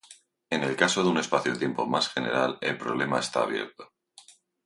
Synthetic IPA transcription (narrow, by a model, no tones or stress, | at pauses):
e̞ne̞lkasoðeune̞spaθjot̪je̞mpo̞̰masxe̞ne̞̰ɾale̞lpɾo̞βle̞mae̞st̪a̰ːβje̞̰ɾt̪o̥